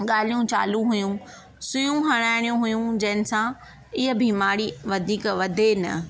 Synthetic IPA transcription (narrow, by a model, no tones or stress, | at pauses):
ɠaːl̤ijũt͡ɕa̰ːlũɦʊjũ | sʊjũɦɐɽ̃aːɪɽ̃ijũɦʊjũd͡ʑɐɦɪ̃nɪ̆sã | ɪɦə̆bʱimaːɽiʋɐd̪ʱiːkʋɐd̪ʱenɐ̰